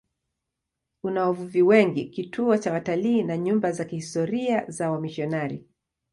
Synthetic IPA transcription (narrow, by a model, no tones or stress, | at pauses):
unawavuviwɛŋɡikitʰuɔt͡ʃawataliːnaɲumbazakihistɔɾiazawamiʃɔnaɾi